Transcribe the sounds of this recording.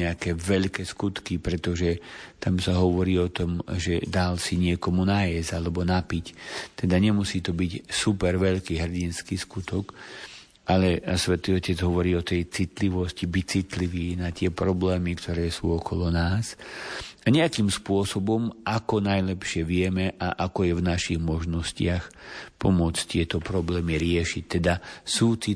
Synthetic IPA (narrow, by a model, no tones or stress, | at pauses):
ɛakɛːʋɛʎkɛskut̪kipɾɛt̪ɔʒɛt̪amsaɦɔʋɔɾiːɔt̪ɔmʒɛd̪alsiɲɪɛkɔmunaːjɛzalɛbɔnapict̪ɛd̪aɲɛmusiːt̪ɔbicsupɛɾʋɛʎkiːɦr̩ɟinskiːskut̪ɔk | ʔalɛsʋɛt̪iːɔcɛd͡zɦɔʋɔɾiːɔt̪ɛjt͡sit̪liʋɔscibic̚t͡sit̪liʋiːnat̪ɪɛpɾɔblɛːmikt̪ʰɔɾɛːsṵːɔkʰɔlɔnaːs | aɲɛakiːmspʊɔsɔbɔmʔakɔnajlɛpʃɪɛʋɪɛmɛʔaʔakɔjɛvnaʃiɣmɔʒnɔscɪaxpɔmʊɔt͡sct̪ɪɛt̪ɔpɾɔblɛːmiɾɪɛʃic̚t̪ɛd̪asuːt͡si